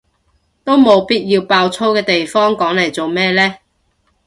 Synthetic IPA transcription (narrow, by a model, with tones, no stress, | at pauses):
t̪o˥wmo˨˧wpiː˥t̚jiː˧wpaː˧wt͡sʰo˥wkɛː˧t̪e˨jfɔː˥ŋkɔː˨˥ŋle˨˩jt͡so˨wmɛː˥lɛː˥